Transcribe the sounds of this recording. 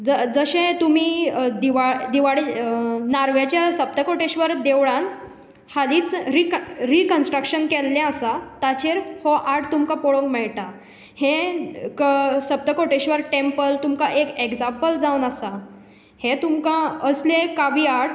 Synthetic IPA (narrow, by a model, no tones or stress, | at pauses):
d͡zəd͡zəɕẽt̪umiːd̪iʋad̪iʋaɽenaɾʋjat͡ɕjasəp̚t̪əkoʈeɕʋəɾd̪eʋɭãn | haliːt͡sɾikɾikənsʈɾəkɕənkɛlːɛ̃əsat̪at͡ɕeɾhɔʔaɾʈt̪umkapoɽõŋkmɛɭʈa | hẽkəsəp̚t̪əkoʈeɕʋəɾʈempəlt̪umkaʔekeɡd͡zãmpəld͡zaunasa | hẽt̪umkãəslẽkaʋiːaɾʈ